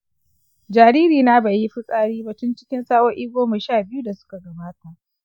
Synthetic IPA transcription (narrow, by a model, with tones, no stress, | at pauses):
d͡ʒaː˨ɽiː˦ɾiː˨na˦ba˨jːi˦ɸi˦sʼaː˦ɽiː˦bɐ˨tʊ˦nt͡ʃɪ̥˦kʲɪ˦nsaː˦wɔ˦ʔiː˦ɡʷoː˦ma˨ʃaː˦˨bɪ˦ju˦da˨sʊ̥˦ka˨ɡɐ˨baː˦ta˨ʔ